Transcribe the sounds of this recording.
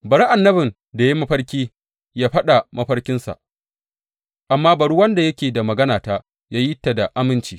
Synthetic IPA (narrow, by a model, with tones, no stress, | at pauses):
bɐ˨ɽi˦ʔa˨nːɐ˦bɪ˨n | da˨ji˦mɐ˦ɸɐ˦ɽkʲiː˦ | jaː˦ɸɐ˦ɗa˨mɐ˦ɸɐ˦rkʲɪ˦nsa̰˨ʔ | ʔa˨mːaː˦bɐ˨ɽu˦wɐ˦nda˨jɐ˦kʲeː˨da˨mɐ˨ɡɐ˦naː˨taː˦ | jaː˦ji˦tːa˨da˨ʔa˦mɪ˦nt͡ʃiː˨